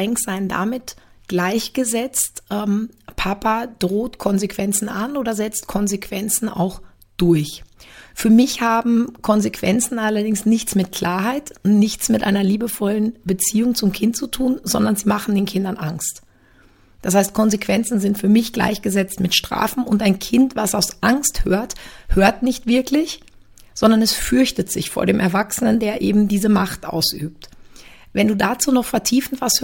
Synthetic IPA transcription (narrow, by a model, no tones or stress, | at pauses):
ɛŋksz̥aɪənda̰mɪt | ɡ̥laɪçɡ̥əzɛt͡stʔɛmpʰapad̥ʁoːtkʰɔnzekv̥ɛnt͡sn̩ʔanʔoːdɐzɛt͡st̚kʰɔnzekʰv̥ɛnt͡sn̩a̰ʊx | d̥ʊɐçfyːɐmɪçhaːbm̩kʰɔnzekv̥ɛnt͡sn̩ʔalɐdɪŋsnɪçt͡smɪtkʰl̥aːɐɦaɪtʊntnɪçt͡smɪtʔa̰ɪnɐliːbəfɔlənbət͡siːʊŋt͡sʊmkʰɪntt͡sutʰuːnzɔ̰ndɐnziːmaχn̩deːnkʰɪndɐnʔa̰ŋst | d̥ashaɪst̚kʰɔnzekv̥ɛnt͡sn̩zɪntfyːɐmɪçɡ̥la̰ɪçɡ̥əzɛt͡stmɪtʃtʁ̥a̰ːfn̩ʊntaɪnkʰɪntv̥asaʊsʔaŋsthø̰ːɐthøːɐtnɪçtv̥ɪɐklɪç | z̥ɔndɐnɛsfʏɐçtətz̥ɪ̰çfo̰ːɐɾeːmʔɛɐvaksənəndeːɐʔḛːbm̩diːzəmaχtʔa̰ʊsʔy̰ːp̚t | vɛnduːdat͡suːnɔχfɛɐtʰiːfn̩tv̥ash